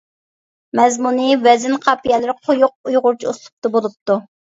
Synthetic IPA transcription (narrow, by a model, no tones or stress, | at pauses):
mɛzmunɨvɛzɪnqʰɑpijɛlɪɾqʰojuq̚ujʁʊɾt͡ʃʰiuslˠʊ̥p̚t̪ɑbolˠup̚t̪u